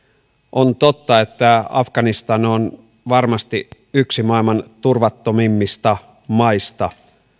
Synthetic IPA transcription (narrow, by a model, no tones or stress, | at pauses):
ʔo̞nt̪o̞t̪ːɑe̞t̪ːæɑfɡ̥ɑnist̪ɑnon | ʋɑrmɑst̪i | yksimɑilmɑnt̪urʋɑt̪ːomimːist̪ɑ | mɑist̪ɑ